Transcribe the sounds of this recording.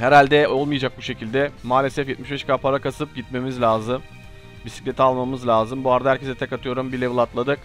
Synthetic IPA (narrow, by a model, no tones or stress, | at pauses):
hɛɾalʲd̪ɛo̞lˠmɯjad͡ʒak̚buʃe̞cʰilʲd̪ɛmaːlʲe̞sɛfjɛt̪̚miʃbɛʃkaːpʰaɾakasɯp̚ɟit̪me̞mizlʲaːzɯm | bisi̥cʲlʲet̪ʰialˠmamɯzlʲaːzɯmbuaɾd̪aɦæɾcʰe̞zɛt̪ʰɛkat̪ʰɯjo̞ɾumbilʲɛvɯlˠat̪lˠad̪ɯk